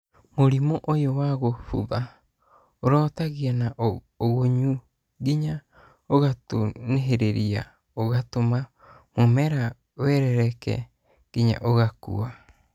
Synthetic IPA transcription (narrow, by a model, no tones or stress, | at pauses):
moɾimoʔojowaɣofṵβa | oɾɔːtaɣianaʔ | oɣoɲu | ɡiɲa | oɣato̰neɦeɾeɾia̰ | oɣatoma | momɛɾa | wɛɾɛɾɛkɛ̰ | ɡ̥iɲa̰ʔoɣakṵa